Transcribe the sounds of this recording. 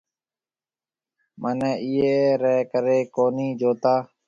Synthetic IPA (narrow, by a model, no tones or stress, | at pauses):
mʔəneːʔiːeːɾeːkəɾeːkoːniːd͡ʒoːt̪aː